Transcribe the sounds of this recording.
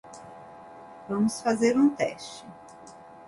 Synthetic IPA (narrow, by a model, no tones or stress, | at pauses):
vɐ̃mʊsfazeɾũt̪ɛ̰ʃt͡ʃɪ